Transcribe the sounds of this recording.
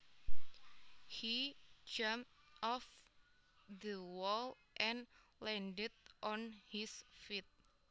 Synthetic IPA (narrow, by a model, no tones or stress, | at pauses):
hid͡ʒampt̪̚ʔɔf | d̪əwɔl | ʔɛ̃nlɛ̃ndət̪̚ʔɔnhisfit̪̚